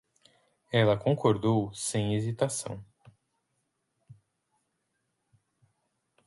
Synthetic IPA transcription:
ɛlɐkõŋkʰoɾd̪owsẽj̃ezit̪asɐ̰̃w̃

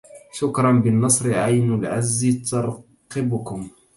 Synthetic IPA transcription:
ʃʊkɾˤɑnbɪnːɑsˤɾɪʕajnʊlʕazːit̪ɑɾˤ | qɪbʊkʊm

